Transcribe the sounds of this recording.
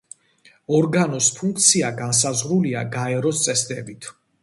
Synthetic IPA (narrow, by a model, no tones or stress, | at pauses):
ɔɾɡanɔspʰuŋkʰt̪sʰiaɡans̬azʁɾuliaɡaɛɾɔst̪sʼɛsd̪ɛbit̪ʰ